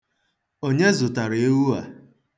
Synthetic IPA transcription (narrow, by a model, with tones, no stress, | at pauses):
o˦ɲe˦zʊ˨ta˨ɾe˦wu˦a˨